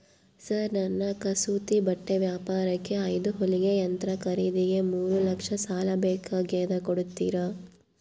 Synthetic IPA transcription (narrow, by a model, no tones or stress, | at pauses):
sɐɾnɐnːɐkɐsuːt̪ibɐʈːeʋjaːpaːɾɐkːe̞ɐjd̪uɦoliɡe̞ɐnt̪ɾɐkɐɾiːd̪iɡe̞muːɾulɐkʂɐsaːlɐbɛːkʰaːɡeːd̪ɐkoɽut̪ːiːɾɐ